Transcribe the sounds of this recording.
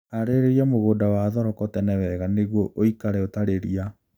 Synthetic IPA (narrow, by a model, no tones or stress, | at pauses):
aɾeɾeɾiamoɣoːdawaðɔɾɔkɔtɛnɛwɛɣaneɣoʔoikaɾɛotaɾeɾia